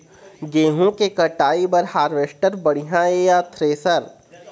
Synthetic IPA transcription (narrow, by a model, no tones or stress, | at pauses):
ɡeːɦõkekɐʈaːibɐɾhaːɾʋeːʃʈəɾbɐɽ̃ɪɦãejaːt̪ʰɾeːsəɾ